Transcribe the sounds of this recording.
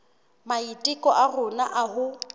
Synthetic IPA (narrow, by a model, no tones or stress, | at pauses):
maitʼɪkʼɔʔarʊnaʔaɦʊ